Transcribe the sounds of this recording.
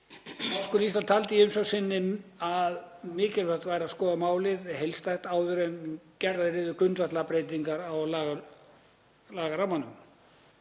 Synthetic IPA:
askʏlist̪alt̪ʰalt̪ɪiʏmsɔwsɪnːɪmaðmɪːcɪlvɛr̥t̪vaːjɾaskɔːðamaːwlɪðɛ̥hejlst̪ajxt̪aːwðʏɾɛncɛɾðaðɪɾɪːðʏkʏnt̪vat̪lapɾeːjt̪iŋkaɾawlaːɣ | laːɣaɾawmanːʏm

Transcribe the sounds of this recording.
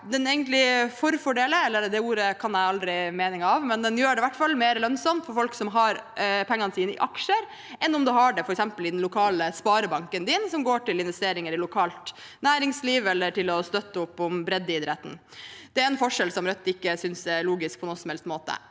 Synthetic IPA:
d̪ɛneːɡənt̪lɪfɔɾfɔɖeːləɛlːəɾd̪ɛuːɾəkʰɑnæɪɑld̪ɾɪmeːnɪŋɑʋmɛnd̪ɛnjøːɖɛʋæʈːfɑlːmeːɾəlœnsɑmt̪fɔɾfɔlksɔmɦɑɾpʰɛŋːɑnəsiːnɪ̰ʔɑkʂəɾ | ʔɛnːɔmd̪ʉɦɑɖɛfɔɾɛksɛmpəlɪd̪ɛnlʊkʰɑːləspɑːɾəbɑŋkənd̪ɪnsɔmɡoːʈɪlɪnʋɛst̪eːɾɪŋəɾɪlʊkʰɑːlt̪ | næːɾɪŋsliːʋɛlːəʈɪlɔst̪œt̪ːəʊpːʊmbɾɛd̪ːɪd̪ɾɛt̪n̩ | d̪̥ɛæɾɛnfɔʂɛlsɔmɾœt̪ːɪkːəsʏnsɛɭuːɡɪsk̚pʰɔnoːsɔmhɛlst̪moːt̪ə̰

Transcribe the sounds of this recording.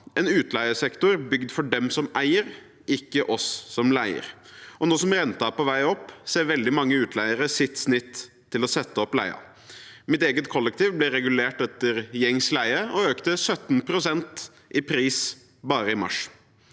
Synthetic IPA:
ʔɛnʉːt̪læɪəsɛkt̪ʊɾbʏɡd̪fɔɖɛmsɔmæɪəɾ | ɪkːəʔɔsːɔmlæɪə̰ɾʔɔnɔsɔmɾɛnt̪ɑpɔʋæɪɔpːseːɾʋɛld̪ɪmɑŋːəʉːt̪ʰlæɪəɾəsɪt̪snɪt̪ʰː | ɪlɔsɛt̪ːəɔplæ̰ɪɑ̰ | mɪt̪eːɡət̪kʰɔlːəkt̪iːʋblɛɾɛɡʉleːʈɛt̪ːəɾjɛŋslæɪəɔøːkt̪əsœt̪ːnpʰɾʊsɛnt̪ | ʔɪpʰɾiːs | bɑːɾəɪmɑ̰ʂ

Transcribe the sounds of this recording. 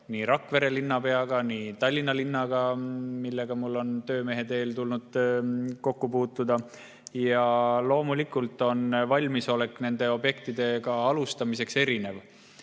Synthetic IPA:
niːɾɑkːˑve̞ɾe̞linːɑpe̞ɑɡ̥ɑnit̪ɑlʲːinɑlinːɑɡ̥ɑmilːe̞ɡ̥ɑmulːo̞nt̪ø̞ːme̞ɦe̞d̪e̞ːlt̪ulnud̪̥̚ko̞kːupuːt̪ːˑud̪ɑ | jɑlo̞ːmulikːˑult̪ːˑo̞nvɑlʲmiso̞le̞kːˑne̞nd̪e̞o̞bje̞kt̪id̪e̞kɑɑlust̪ɑmise̞kse̞ɾine̞v

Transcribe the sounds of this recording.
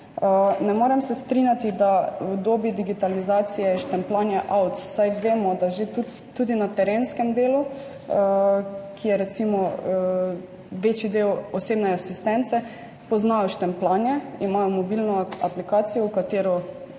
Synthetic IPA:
ənɛmoɾɛmsɛst̪ɾinjat̪id̪awd̪oːbid̪iɡit̪alizat̪sijɛʃt̪ɛmplaːnjɛʔawt̪sajʋeːmɔd̪aʒet̪uː | ud̪inat̪ɛɾeːnskɛmd̪eːlu | kʰijɛɾɛt̪simɔ | ʋeːt͡ʃid̪eːwɔseːbnɛasist̪ɛnt̪sɛ | pɔznaːjɔʃt̪ɛmplaːnjɛimaːjɔmɔbilnɔaplikaːt̪sijɔwkat̪eːɾɔ

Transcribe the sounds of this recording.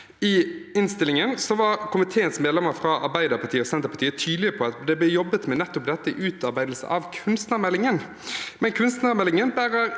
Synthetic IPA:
ɪɪnst̪ɪlɪŋənsɔʋɑɾkʰʊmɪt̪ʰeːənsmeːd̪lɛməɾfɾɑʔɑ̰ɾbæɪd̪əɾpɑt̪ʰiːəɔsɛnt̪əɾpɑt̪ʰiːət̪ʰyːd̪lɪəəpʰɔɑt̪d̪ɛb̪ɛjɔbːət̪mɛnɛt̪ːʊp̚d̪ɛt̪ːəʔʉːt̪ɑɾbæɪd̪l̩sə̰ʔɑ̰ʋkʰʉnst̪nəmɛlːɪŋən | mɛnkʰʉnst̪nɑɾmɛlːɪŋənbæːʁəɾ

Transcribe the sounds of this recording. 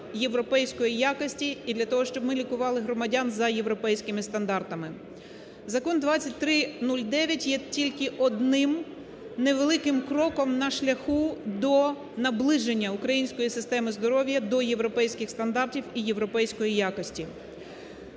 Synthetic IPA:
je̞ʋɾɔpɛjsʲkɔjijakɔsʲtʲiiːd̪lʲɐt̪ɔɦɔʃt͡ʃɔbmɪlʲikʊʋɑlˠɪɦɾɔmɐdʲanzɐje̞ʋɾɔpɛjsʲkɪmɪst̪ɐnd̪ɑrt̪ɐmɪ | zɐkɔnd̪ʋɑt͡st͡sʲɐt̚ʲt̪ɾɪnulʲd̪ɛʋʲjɐtʲjɛtʲilʲkɪʔɔd̪nɪm | ne̞ʋelˠɪkɪmkɾɔkɔmnɐʃlʲɐxud̪ɔ | nɐblˠɪʒenʲːɐukɾɐjinʲsʲkɔjisɪst̪ɛmɪzd̪ɔɾɔʋʲjɐd̪ɔje̞ʋɾɔpɛjsʲkɪxst̪ɐnd̪ɑrtʲiwijeʋɾɔpɛjsʲkɔjijakɔsʲtʲi

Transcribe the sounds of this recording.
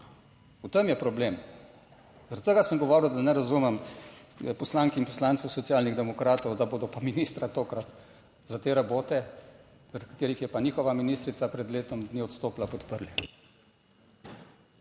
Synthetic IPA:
ut̪əmjɛpɾɔbleːm | zaɾat̪t̪əɡasəmɡɔʋɔːɾiwd̪anɛɾazuːmɛm | pɔslaːŋkɛinpɔ̥slaːnsɛwsɔt̪sijaːlniɣd̪ɛmɔkɾaːt̪ɔwd̪aboːd̪ɔpaminiːst̪ɾat̪oːkɾat̪ | zat̪eːɾaboːt̪ɛ | zaɾat̪̚kḁt̪eːɾixjɛpaniːxɔʋaminist̪ɾit̪sapɾɛd̪leːt̪ɔmd̪niɔt̪st̪oːplapɔt̪pəɾli

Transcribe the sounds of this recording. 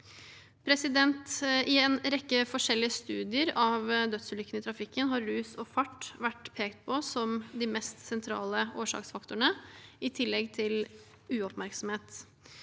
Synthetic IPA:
pʰɾɛsɪd̪ɛnt̪ʔɪɛːnɾɛkːəfɔʂɛlːɪəst̪ʉːd̪ɪəɾɑʋd̪œt̪slʏkːənɪt̪ʰɾɑfɪkːənɦɑɾːʉːsɔfɑʈːʋæʈːpʰeːkt̪̚pʰɔsɔmd̪ɪmɛst̪sɛnt̪ʰɾɑ̰ːləoːʂɑ̰ːksfɑkt̪ʊɳəɪt̪ʰɪlːɛɡt̪ʰɪl | ʉːɔpmæɾksɔmheːt̪

